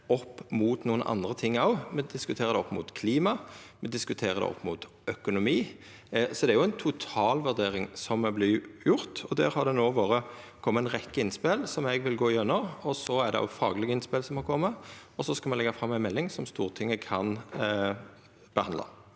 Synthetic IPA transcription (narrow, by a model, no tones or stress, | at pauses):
ɔpːmuːt̪nuːənʔɑ̰nd̪ʁət̪ʰɪŋːɑʊmɛd̪ɪskʉt̪ʰeːʁəd̪ɛɔpːmʊ̰ːt̪kʰliːmɑmɛd̪ɪskʉt̪ʰeːʁəd̪ɛ̰ɔ̰pːmʊt̪ | œkʊnʊmiː | sɔd̪ɛæɾjʊɛɪnt̪ʰʊt̪ʰɑːlʋʉd̪eːʁɪŋsɔmːɛblɪjʊɾt̪ɔd̪æːɾhɑd̪ɛnoːʋoːʁə | kʰɔmːəɛnʁɛkːəɪnspelsɔmɛɡʋɪlɡoːɪjœnːəʁɔsɔæd̪ɛ̰ɔ̰ʊfɑːɡlɪɡəɪnspeːlsɔmhɑkʰɔmːəɔsɔskɑlmɛlɛɡːɑfʁɑmːænmɛlːɪŋsɔmst̪uːʁt̪ʰɪŋːəkʰɑn | b̥əhɑnd̪lɑ̰